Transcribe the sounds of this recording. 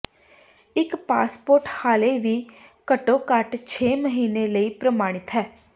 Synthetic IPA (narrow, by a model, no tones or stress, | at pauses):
ɪkpa̰ːspoːɾʈhaːleːʋiː | kəʈõːkəʈt͡ʃʰeːməɦiːneːləiːpɾəmaːɽ̃ɪt̪ɦɛː